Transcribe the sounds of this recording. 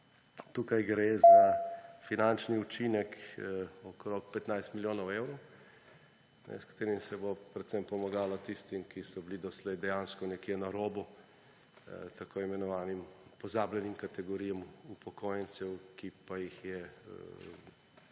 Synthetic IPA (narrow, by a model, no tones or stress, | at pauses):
t̪uːkajɡɾezafinant͡ʃniut͡ʃinɛk | ɔkɾok̚pɛt̪najst̪miljoːnɔwewɾɔw | nɛ̰skḁt̪eːɾimsɛbopɾɛt̪sɛmpɔmaɡaːlat̪ist̪imkisɔblid̪ɔslɛjd̪ɛjanskɔnɛkjenaɾoːbu | t̪akoimɛnɔʋaːnimpɔzablʲjɛnimkat̪ɛɡɔɾijɛmupʰɔkʰoːjɛnt̪sɛwkipajixjɛ